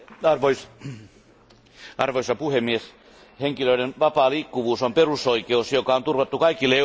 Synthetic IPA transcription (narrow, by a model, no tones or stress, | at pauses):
ɑrʋois | ɑrʋoisɑpuhemːies | heŋkiløiɾenʋɑpɑːliːkːuʋuːsomperusoikeusjokɑont̪urʋɑt̪ːukɑikilːe